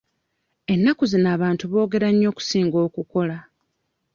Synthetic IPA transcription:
e̞nːakuzinaːβaːntuβo̞ːɡe̞ɾaɲːo̞ːku̥siːŋɡo̞ːkuko̞la

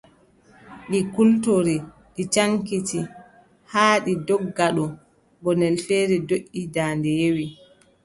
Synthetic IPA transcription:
ɗikultoɾi | ɗit͡ʃaŋkiti | haːɗidɔɡːaɗɔ | bɔnɛlfeːɾidoʔːidaːndɛjewi

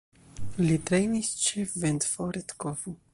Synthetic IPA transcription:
lit̪ɾejnist͡ʃefvɛnt̪foɾet̪kovu

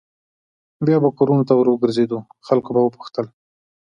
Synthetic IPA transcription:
bjɑbakoɾunot̪awəɾwəɡəɾzed̪uxalkobawəpu̥xt̪əl

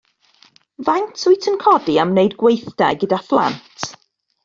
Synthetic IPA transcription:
vajntʰʊjtʰənkʰɔdiamnejdɡwejθd̥aɡədaθlˠa̰ntʰ

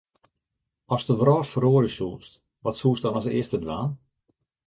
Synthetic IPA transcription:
ɔstəʋrɔːrfəroːɾəsuːst | ʋɔtsuːsdɔnɔsɪəstədʋaːn

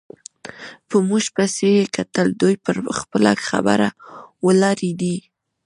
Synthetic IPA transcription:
pəmuʒpajsejekat̪əld̪ujpəɾxpəla̰xa̰ba̰ɾawəlɑɾid̪i

